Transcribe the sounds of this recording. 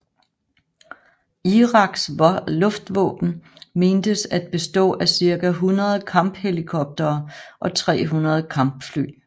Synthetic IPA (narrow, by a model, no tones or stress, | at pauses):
iʁɑ̈ɡ̥slɔ̽fd̥ʋɔ̰ːb̥n̩me̝ːnd̥əsæd̥̚b̥e̝sd̥ɔ̰̽ːʔæsiɐɡ̥æɦunʁɐð̞̩ˠkʰɑ̈mb̥helikʰɒ̽b̥̚d̥ɐːʔɒ̽t͡sʰʁɛ̰ːɦunʁɐð̞̩ˠkʰɑ̈mb̥fly̰ː